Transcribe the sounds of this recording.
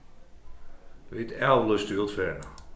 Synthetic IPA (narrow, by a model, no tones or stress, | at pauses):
ʋɪtɛlləstyːlˠtfɛn